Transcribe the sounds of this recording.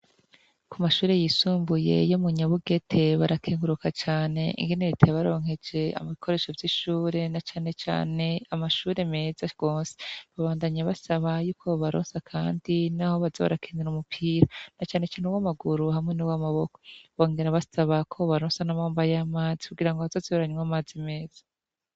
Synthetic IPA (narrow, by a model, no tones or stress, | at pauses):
kʰumaʃuːɾe̞jiːsuːmbuje̞̰jomuɲaβuɡe̞tʰe̞βaɾakʰeːŋɡuɾukat͡ʃaːne̞ḭŋɡeniɾitʰeβaɾo̞ːŋhe̞d͡ʒe̞a̰mβikʰo̞ɾe̞ːʃo̞vjiʃuːɾe̞nat͡ʃaːne̞t͡ʃa̰ːne̞amaʃuːɾe̞me̞zaɡ̥oːnse̥βaβaːndaɲaβasaβajuːkʰo̞βaɾo̰ːnsakʰaːndinaho̞βazoβa̰ɾakʰeːniɾumupʰiːɾanat͡ʃaːne̞t͡ʃaːneuwamaɡuɾuhamŋe̞nuwamaβo̞ko̞̥βo̞ːŋɡe̞ɾaβasaβakʰo̞βaɾoːnsanamoːmbajamaːzikuɡiɾaŋɡoβazozioɾaɲŋamaːzime̞ːz̥ḁ